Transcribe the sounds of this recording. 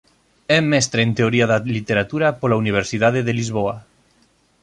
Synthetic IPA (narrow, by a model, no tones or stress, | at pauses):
ɛmːɛst̪ɾent̪eoɾiaðalit̪eɾat̪uɾapolauniβ̞eɾsiðaðeðelizβ̞oa